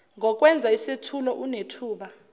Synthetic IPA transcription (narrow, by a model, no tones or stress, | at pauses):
ŋɔk̬ʼwɛnd͡zʱaisetʰulɔʔunetʰuːɓa